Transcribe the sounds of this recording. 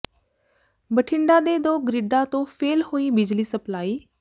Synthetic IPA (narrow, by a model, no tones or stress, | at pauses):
bəʈʰɪɳɖãːd̪eːd̪oːɡɾɪɖãːt̪õːpʰeːlhoːiːbɪd͡ʒliːsəplaːiː